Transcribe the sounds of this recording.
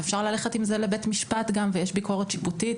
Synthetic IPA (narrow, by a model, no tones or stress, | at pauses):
efʃaʁlaleχetimzelebetmiʃpat̪ɡamvejeʃbiko̞ʁet̪ʃi̥puti